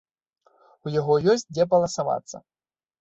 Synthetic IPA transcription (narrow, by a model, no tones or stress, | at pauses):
ujaɣɔjɔsʲtʲd͡zʲɛpɐlˠɐsava̰t̪sːɐ̰